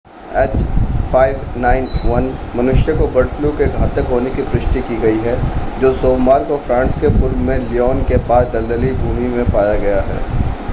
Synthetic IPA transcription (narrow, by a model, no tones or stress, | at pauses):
ɛːt͡ʃfaːɪʋnaːɪnʋɐnmɐnʊʃjəkobɐɽflukeɡʱaːt̪əkɦoːnekipɾɪʃʈikiɡɐiɦɛd͡ʒoːsoːbːaːɾkofɾãːnskepʊɾbmẽliɔːnkepaːsd̪ɐld̪əlibʱuːmimẽpaːjaɡɐjaɦɛ̰ː